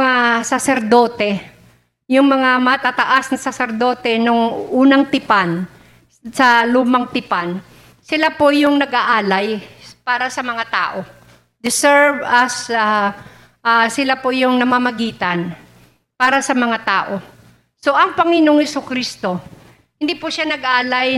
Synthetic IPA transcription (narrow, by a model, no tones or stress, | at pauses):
ŋasɐsɛɾd̪o̞ːt̪ɛ | jʊŋmɐŋamɐt̪at̪ɐʔasnɐsɐsɛɾd̪o̞ːt̪ɛnoŋʔuːnɐŋt̪ɪpan | sɐluːmɐŋt̪ɪpan | sɪlapojʊŋnɐɡʔaʔaːlajpaːɾɐsɐmɐŋat̪a̰ːʔo̞ | d̪ɪsɛɹvɐsa | ʔasɪlapojʊŋnɐmaːmɐɡiːt̪ɐn | paːɾɐsɐmɐŋat̪aːʔo̞ | so̞ʔɐŋpɐŋɪnoŋhɛsʊkɾist̪o̞ | hɪnd̪ipʊʃanɐɡʔaːlaj